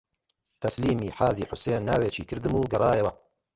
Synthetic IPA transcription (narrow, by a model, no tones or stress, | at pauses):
t̪ʰɐsliːmiːħaːziːħʊseːnːaːweːt͡ʃiːkɨɾd̪ɨmuːɡɐrˤɑːjewɐ